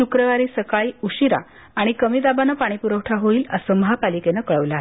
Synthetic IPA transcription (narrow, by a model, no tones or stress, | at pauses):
ukɾəʋaɾiːsəkaɭiːuɕiɾa̰ː | ɽ̃ikəmiːd̪abanːəpaɽ̃ipuɾəwʈʰaɦoiːləsəməɦapalikenəkəɭəʋlaːɦ